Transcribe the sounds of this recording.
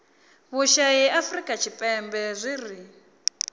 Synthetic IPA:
βuʃajɛʔafrikʼat͡ʃʰipʼɛmbɛzʷiri

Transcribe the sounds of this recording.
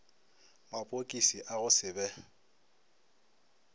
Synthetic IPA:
mapʼokʼisiʔaɣʊsɪbɛ

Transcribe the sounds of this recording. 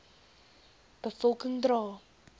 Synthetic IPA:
b̥əfɔlˠkə̃ŋdɾɔː

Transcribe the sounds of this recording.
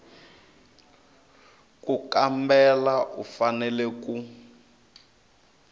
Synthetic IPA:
kukambɛlaʔufanɛlɛku

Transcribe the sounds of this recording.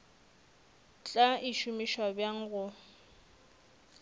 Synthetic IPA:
t͡ɬʼaiʃumiʃwabjaŋ̩ɣʊ

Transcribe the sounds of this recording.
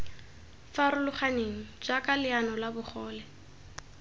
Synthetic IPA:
faɾʊlʊχaneŋ̩d͡ʒakʼalɪanɔlabʊχɔːlɛ

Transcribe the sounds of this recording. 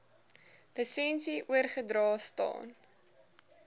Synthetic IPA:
ləsɛnsiʔuərχədɾɑːstɑ̰ːn

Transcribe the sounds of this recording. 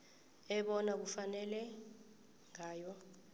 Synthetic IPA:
ɛɓɔnak̬ufanɛlɛ | ŋaːjɔ

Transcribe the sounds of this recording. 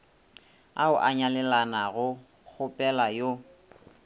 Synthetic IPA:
aʊʔaɲalɛlanaɣʊ | k͡xʰʊpʼɛlajo

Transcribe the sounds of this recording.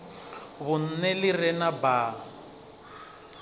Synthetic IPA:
βʊn̩nɛlɪrɛnabaː

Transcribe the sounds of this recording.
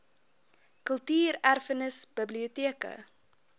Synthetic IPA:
kəlˠtiːɾærfənəsb̥əbliotiəkə̰

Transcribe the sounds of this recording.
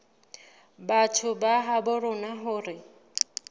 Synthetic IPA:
batʰʊbaɦabʊrʊnaɦʊːrɪ

